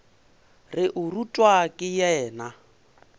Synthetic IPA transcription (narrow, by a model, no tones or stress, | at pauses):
rɪʔʊrutʼwakʼɪjɛːna